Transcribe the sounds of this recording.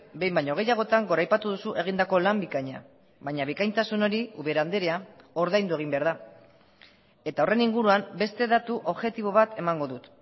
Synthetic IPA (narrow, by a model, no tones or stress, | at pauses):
be̞jmbajɲoɣ̞e̞jaɣ̞o̞t̪aŋɡo̞ɾajpat̪uðusuʔe̞ɣ̞ind̪ako̞lambikaɲa̰ | βajɲaβ̞ikajnt̪asuno̞ɾiuβe̞ɾand̪e̞ɾeao̞ɾðajnd̪ue̞ɣ̞imbe̞aɾða | e̞t̪ao̞re̞niŋɡuɾuambe̞st̪e̞ðat̪uʔo̞βxe̞t̪iβo̞β̞at̪e̞maŋɡo̞ðut̪